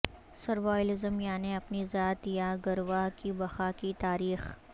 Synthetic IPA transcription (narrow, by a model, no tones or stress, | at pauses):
sɐɾʋaːjlɪzəmjaːneɐpnizaːt̪jaɡɐɾʋaːɦkibɐxaːkit̪aːɾiːx